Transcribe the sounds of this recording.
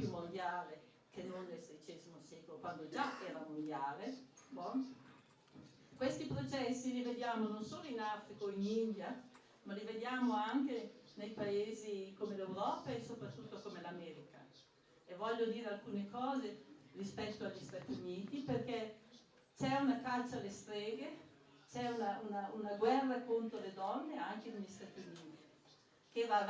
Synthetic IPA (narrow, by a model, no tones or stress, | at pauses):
pjumːond̪jaːle | kʰenːonːelsed̪it͡ʃɛːzimosɛːkolokwand̪od͡ʒaɛːɾamond̪jaːlebɔ | kwest̪ipɾot͡ʃɛsːilived̪jaːmononsoːloinafɾikoinind̪ja | malived̪jaːmoaŋkenejpaeːzikomelewɾɔːpaesopɾat̪ːut̪ːokomelamɛːɾika̰ | evɔʎːod̪iːɾealkuːnekɔːzerispɛt̪ːoaʎːist̪at̪juniːt̪iperkɛ | t͡ʃɛunakat͡ʃːalest̪ɾeːɡe | t͡ʃɛunaunaunaɡwɛrːakont̪ɾoled̪ɔnːeaŋkeneʎːist̪at̪juniːt̪i | keva